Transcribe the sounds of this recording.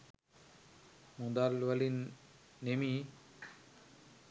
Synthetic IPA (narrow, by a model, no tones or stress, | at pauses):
mud̪alwalinː | emi